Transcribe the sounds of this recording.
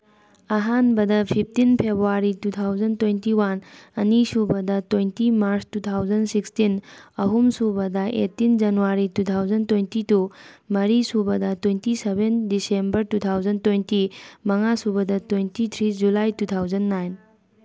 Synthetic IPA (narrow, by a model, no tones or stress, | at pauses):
ɐɦanbɐdɐpʰip̚ʰtinpʰebɾuaɾitutʰawzɐntwejntiwanɐnisubɐdɐtwejntimaɾstutʰawzɐnsikstinɐɦumsubɐdɐʔḛtːind͡ʒɐnuwaɾitutʰawzɐntwejntitumɐɾisubɐdɐtwejntisebendisembɐɾtutʰawzɐntwejntimɐŋasubɐdɐtwejntit̪ʰɾid͡ʒulajtutʰawzɐnːajn